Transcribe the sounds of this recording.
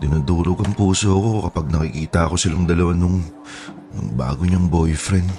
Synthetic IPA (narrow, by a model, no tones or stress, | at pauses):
d̪ɪnud̪uːɾokɐŋpuːsoɐko̞kɐpɐɡ̚nɐkɪkiːt̪ɐɐko̞sɪlaŋd̪ɐlɐwanʊŋ | nʊ̰ŋba̰ːɡoɲɐŋbojfɾɛnd̪